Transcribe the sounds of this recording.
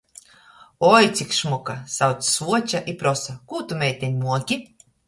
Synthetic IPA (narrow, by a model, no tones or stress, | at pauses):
ɔjt̪sʲikʃmɔkasawt̪ssuɔt͡ʃaʔipɾɔsakuːt̪umʲɛjt̪ʲɛɲʲmuɔkʲi